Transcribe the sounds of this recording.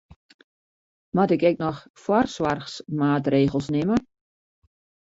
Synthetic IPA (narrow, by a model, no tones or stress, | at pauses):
matɪkɛk̚nɔx | fwɔrswarxsmaːtreːɣəlˠsnɪmə